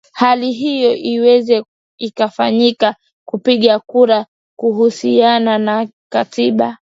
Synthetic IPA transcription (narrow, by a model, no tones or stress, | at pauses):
haliɦijɔʔiwɛzɛ | ikafaɲika | kupiɠakuɾa | kuhusianana | katiɓa